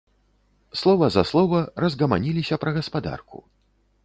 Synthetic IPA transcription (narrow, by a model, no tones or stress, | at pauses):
slˠɔvɐzɐslˠɔvɐrɐzɣɐma̰nʲilʲisʲɐpɾɐɣɐspad̪a̰rkṵ